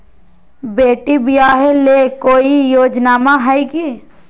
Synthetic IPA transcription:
beːʈibijaɦelekoːijoːd͡ʒnaːmãɦaiki

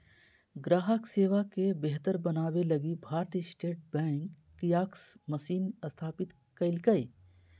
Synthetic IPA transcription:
ɡɾaːɦəkseːʋakebeɦt̪əɾbɐnaːwelɐɡibʱaːɾt̪iːsʈeːʈ̚bɛ̃ːŋkː | ijaːksmɐsiːnɐst̪ʰaːpɪt̪ | kɐɪlkəi

